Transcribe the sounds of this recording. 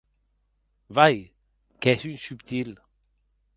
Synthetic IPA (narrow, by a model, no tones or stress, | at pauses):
vaj | kɛsynsypt̪ʰil